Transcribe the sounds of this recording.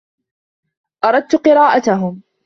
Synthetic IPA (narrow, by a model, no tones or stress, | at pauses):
ʔɑɾˤɑd̪̚t̪ʊqɨɾɑːʔat̪aɦʊm